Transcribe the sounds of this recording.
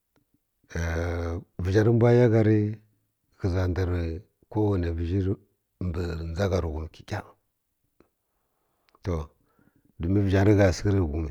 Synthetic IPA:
ə˨vi˨d͡ʒa˨ɾi˦m˦bʷa˦ja˦ɡa˨ɾi˦ | ki˨za˨nda˨ɾi˨ | ko˦wu˨ne˨vi˨d͡ʒi˦ɾ | mbə˨nd͡za˦ɡa˨ɾu˨ɡu˨m˨ki̥˨kʲʼa˦ | to˨ | du˨mi˦və˨d͡ʒa˨ɾi˦ɡa˨si˦ɾi˦˨ɡu˨mi˨

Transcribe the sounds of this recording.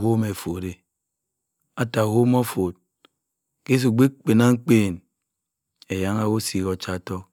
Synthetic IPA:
ho˦me˨fo˨ɾe˨ | a˦ta˨ho˦mo˦fo˨t̚ | ke˦s̬u˨ɡ͡be˦k͡pe˨na˦ŋ̩˦k͡peː˦˨n | e˨ja˦ŋa˦wo˦si˨ko˨t͡ʃa˦˨tɔ˦

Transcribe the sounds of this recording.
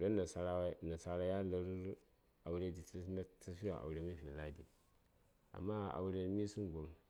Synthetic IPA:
ɾo˦na˨sa˦ɾa˦na˨sa˦ɾa˦ja˦la˨ɾ | a˨wu˨˦ɾe˦di˨tna˦ta˦fi˦a̰˨ʔa̰˨wu˨ɾe˨mi˦vi˨la˦di˨ | a̰˨mːa˦a̰˨wu˨ɾe˨n˦mi˦su˦n˨ɡo˨m

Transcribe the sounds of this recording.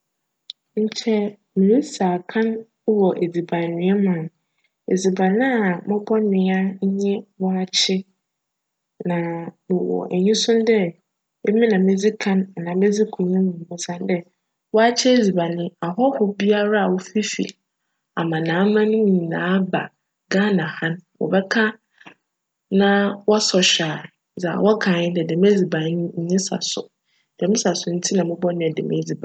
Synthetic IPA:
ɲ̩˨t͡ɕʰɛ˦ | mĩ˨i˦sa˨kʰã˦n˦ | wɔ˨ʔe˨d͡zi˨ba˨nɪ̃˨˦ɛ˦mã˨n | ḛ˨d͡zi˨ba˨nã˦˨mɔ̃˦bɔ˦nɪ̃˨a˦ɲ̩˦ɲɛ̃˦wɔ˦a˦t͡ɕʰɪ˦ | nã˨mɪ˨wɔ̰˨ʔɛ˨ɲĩ˦sʊ̃˦n˦dɛ˦ | e˦mĩ˦nã˨me˦d͡zi˦kʰã˦na˨nã˨me˦d͡zi˦kʰũ˨ɲĩ˦mũ˨mʊ̃˨sã˨n˦dɛ˦ | wɔ˦a˦t͡ɕʰɛ˦e˦d͡zi˨ba˨nɪ̃˦a˨ɦɔ˦hʊ˦bi˦a˦ɾa˦a˨wo˦fi˦fḭ˨l | a̰˨mã˨nãː˨˦mã˦nʊ̃˦˨ɲĩ˨nã̰ː˨˦ba̰˨ | ɡaː˦nã˨hã˦nwɔ̰˨bɛ˦kʰa˦ | nã˦wɔ˦sɔ˨ɕᶣaː˨ | za̰˨wɔ˦kʰãː˨ɲɪ̃˦dɛ˨dɛ˨m˦e˦d͡zi˨ba˨˦nɪ̃˦ɲ̩˦ɲɪ̃˦sa̰˨sʊ˨ | d̥ɛ˨mɪ̃˦sa˨sʊ˨n̩˦tʰi˦nã˨mʊ̃˦bɔ˦nʊ̃˦ɛ˨dɛ̰˨mʔḛ˦d͡zi˨ba˨

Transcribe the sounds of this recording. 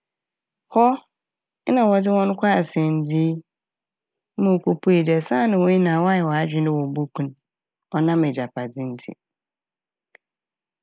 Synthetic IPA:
hɔ˦ | nã˨wɔ˨dɪ˦wɔ̃˦n˦kʷʰa˦a˨sɛ̃˨n˨d͡zi˦ | mõ˨kʰo˦pʰu˦e˨dɛ˨sã˦˨nɪ̃˨wɔ̃˦ɲi˦nã˨wɔ˦a˦jɛ˨wɔ˨a˦d͡ʑᶣɪ̃˦nɪ̃˦wɔ̃˨bo˦kʰũ˦n | ɔ˨nã˦mɪ˨d͡ʑa˨pʰa˨dɪ̃˦n̩˦tʰɪ̰˦˨

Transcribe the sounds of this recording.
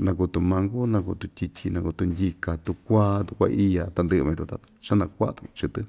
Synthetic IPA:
nã˧ku˧t̪u˧mã˧ŋɡu˦nã˧ku˧t̪u˧t̪ʲi˧tʲʰi˧nã˧ku˧t̪u˧nd̪ʲi˧ka˨t̪u˧kʷa˦t̪u˧kʷa̰˧ʔi˦ja˧t̪a˧nd̪ɨ˧ʔmã˧t̪ũ˧t̪a˧t͡ʃa˦nã˧kʷa˦ʔt̪ũ˧t͡ʃɨ˧t̪ɨ˦

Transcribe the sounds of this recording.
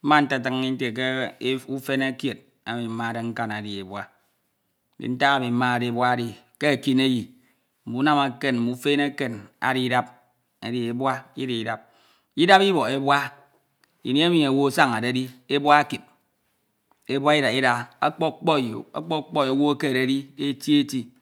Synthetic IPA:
ma˦n̩˦ta˦t̬ɨ˦ŋː˦i˦n̩˦te˨k̬e˦u˦fe˦ne˦kje˨t̚ | a˦mi˨m̩˦ma˦˨de˦ŋ̩˦ka˦na˨di˨e˨bwa˦ | n̩˦dḭ˨n̩˦ta˦a˦˨mi˨m̩˦ma˦a˨de˦˨bwa˦di˨ | ke˦a˨ki˦ne˦ji˨ | m̩˨bu˨˦na˦ma˨ke˦nm̩˨bu˦fe˦ne˦ke˨na̰˨ɾi˦da˦p̚ | a˨di˨e˨bwa˦i˦di˨i˨da˨p̚ | i˦da˦pi˦bo˨e˦bwa˦ | ḭ˨ni˦e˦mi˨e˨wo˦sa˦ŋa˨de˨˦di˦e˦bwa˦a˦ki˨p̚ | e˦bwa˦i˦da˨i˦da˨a˦k͡pɔ˦k͡pɔ˦˨jo̰˨a̰˦k͡pɔ˦k͡pɔ˦e˨wo˦ke˦˨ɾe˨˦di˦e˦ti˦e˦ti˦

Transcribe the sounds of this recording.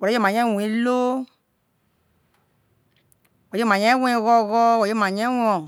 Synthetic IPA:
wɔ˨ld͡ʒe˦˨mã˨ɲɛ̃˦˨wũ˨ĩ˦lo˦ | wɔ˨je˦mã˨ɲɛ̃˦wɛ̃˦ĩ˧˦ɣɔ˧˦˨ɣɔ˦wɔ˨je˦mã˨ɲɛ̃˦wɔ̃˧˦ɔ̃˨

